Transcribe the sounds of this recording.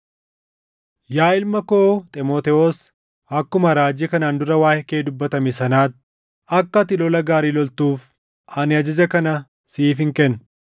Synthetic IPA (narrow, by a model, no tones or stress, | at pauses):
jaːɪlmɐkoːt̪ʼɛmoːt̪ɛoːs | ɐkːʊmɐɾaːd͡ʒɪkɐnaːnd̪ʊɾɐwaːhɛkeːd̪ʊbːɐt̪ɐmɪsɐnaːt̪̚ | ɐkːɐt̪ːɪlɔlɐɡaːɾiːlɔlt̪uːf | ɐnɪɐd͡ʒɐd͡ʒɐkɐnɐ | siːfɪŋkɛnː